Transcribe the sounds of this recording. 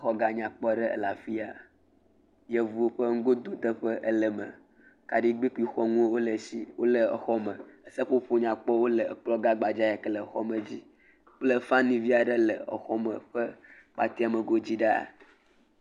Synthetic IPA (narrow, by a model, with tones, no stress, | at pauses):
xɔ˦ɡa˨ɲã˨k͡pɔ˦ɖə˦ə̰˨la˨fi˦a˨ | jɛ˨vu˨o˦ɸə˦ŋ̩˦ɡo˦d̪o˨d̪ə˦ɸə˦ʔə˦lə˨mə̰̃˨ | ka˨ɖi˦ɡ͡bi˦ku˦i˨xɔ˦ŋũ˦wo˦lə˨si˦wʔo˦lə˨ə˨xɔ˦mə̃˨ə˦sə˦ɸo˦ɸo˦ɲã˨k͡pɔ˦wo˦lə˨k͡plɔ˦ɡa˦ɡ͡ba˨d͡ʒa˦ja˨kə˦lə˨xɔ̰˦mə˨d͡ʑi˦ | k͡plə˦fã˦nĩ˨vi˦a˨ɖə˦lə̰˨ə̰˨xɔ˦mə̃˨ɸə˦k͡pa̰˨t̪i˦a˨mə˨ɡo˦d͡ʑi˦ɖa̰˦˨